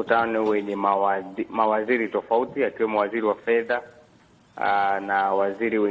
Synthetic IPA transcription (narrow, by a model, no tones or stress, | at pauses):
utanɔwɛɲɛ | mawaziɾitɔfautiakiwɛmɔwaziɾiwafɛða | nawaziɾiwɛ